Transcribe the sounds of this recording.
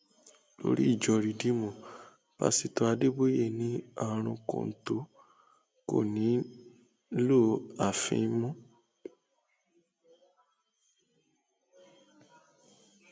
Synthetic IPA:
lo̰˦ɾi˦i˦˨d͡ʒɔ˧ɾi˨di˨˦mũ˨ | pa̰˧si˨to˧a˧de˦bo˦je˦˨nĩ˨˦a˦˨ɾ̃ũ˧kõ̰˨n̩˨to˨˦ | ko̰˨nĩ˨˦ | lo˦˨a˨fḭ̃˧˦mũ˦

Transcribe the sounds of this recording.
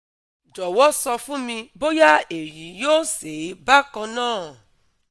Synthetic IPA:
d͡ʒɔ˨wɔ˦sɔ˧fũ˦mĩ˧bo˦ja˦e˨ɾi˨˦joː˦se˨˦ba˦kɔ̃˧nãː˦˨

